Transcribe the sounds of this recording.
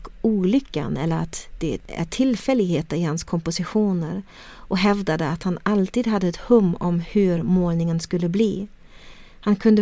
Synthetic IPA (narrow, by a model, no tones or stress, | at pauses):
uːlʏkːa̰nɛ̰lːəɾat̪d̪̥ɛæ̰ʈʰɪlfɛlːɪɡheːt̪əɾɪhanskʰɔmpʊsɪɧuːnəɾ | ʔɔɦɛvd̪ad̪əat̪hanalt̪iːd̪ɦad̪ːəɛt̪hɵmːɔmhɵɾmoːlnɪŋənskɵlːəbliː | hankʰɵnd̪ə